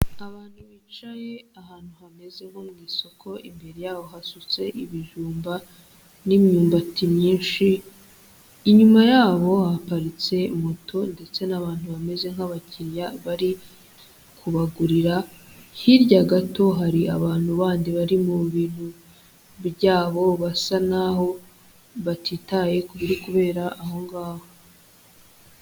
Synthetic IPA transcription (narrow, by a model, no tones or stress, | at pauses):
aβaːn̥huβiːt͡ʃaje̞aɦaːn̥huhame̞ze̞ŋhomŋiːso̞kʰo̞ʔimbe̞ɾejaːβo̞ɦasut͡se̞ʔiβiʒuːmba | nimɲuːmbatimɲiːnʃi | ɲumajaːβo̞hapaɾit͡se̞motʰo̞nde̞t͡se̞naβaːn̥huβame̞ze̞ŋ̥haβaciɾjaβaɾi | kʰuβaɡuɾiɾahiɾɟaɡato̞ɦaɾia̰βaːn̥huβaːndiβaɾimuβiːn̥hu | βjaːβo̞βasanaɦo̞ | βatʰiːtaje̞kuβiɾikuβe̞ːɾaʔːho̞ŋɡaːho